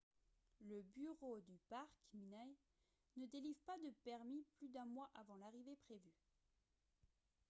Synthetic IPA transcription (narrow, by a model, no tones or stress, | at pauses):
ləbyʁod̪ypaʁkminaj | nəd̪elivʁpad̪əpɛʁmiplyd̪ɛ̃mwaʔavɑ̃laʁivepχevy